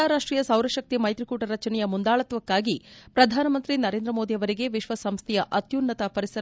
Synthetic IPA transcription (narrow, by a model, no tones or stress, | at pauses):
aːɾaːʂʈɾiːjɐsɐwɾɐʃɐk̚t̪imɐjt̪ɾikuːʈɐɾɐt͡ʃɐnɛjɐmund̪aːɭɐt̪ʋɐkːaːɡipɾɐd̪ʱaːnɐmɐnt̪ɾinɐɾe̞ːnd̪ɾɐmo̞ːd̪ijɐʋɐɾiɡe̞ʋiʃʋɐsɐmst̪ʰɛjɐʔɐt̪juːnːɐt̪ɐpɐɾisɐ